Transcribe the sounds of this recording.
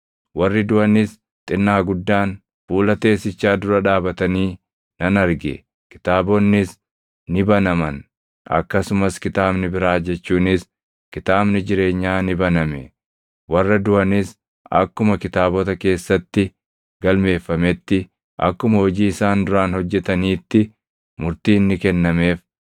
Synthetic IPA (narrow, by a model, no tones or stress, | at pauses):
wɐrːɪd̪ʊɐnɪs | t̪ʼɪnːaːɡʊd̪ːaːn | fuːlɐt̪e̞ːsɪt͡ʃːaːd̪ʊɾɐᶑaːbɐt̪ɐniː | nɐnɐɾɡɛ̰ | kɪ̥t̪aːbɔnːɪs | nɪbɐnɐmɐn | ɐ̰kːɐsʊmɐskɪt̪aːbnɪbɪɾaːd͡ʒɛt͡ʃːuːnɪs | kɪt̪aːbnɪd͡ʒɪɾe̞ːɲːaːnɪbɐnɐmɛ | wɐrːɐd̪ʊʔɐnɪs | ɐkːʊmɐkɪt̪aːbɔt̪ɐke̞ːsːɐt̪ːɪ | ɡɐlme̞ːfːɐmɛt̪ːɪ | ʔɐ̰kːʊmɐhɔd͡ʒiːɪsaːnd̪ʊɾaːnhɔd͡ʒːɛt̪ɐniːt̪ːɪ | mʊɾt̪iːnːɪkɛnːɐme̞ːf